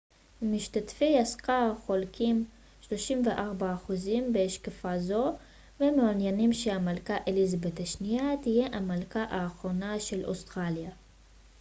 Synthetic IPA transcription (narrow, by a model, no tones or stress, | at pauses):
miʃt̪at̪fiaskaχo̞lkʰim | ʃlo̞ʃimve̞ʔaʁbaːχuzimbeeʃkafazo̞ | vemeanjanimʃeamalkaʔelizabet̪aʃnijat̪ije̞ʔamalkaʔaːχʁo̞naʃe̞lʔo̞̰st̪ʁalja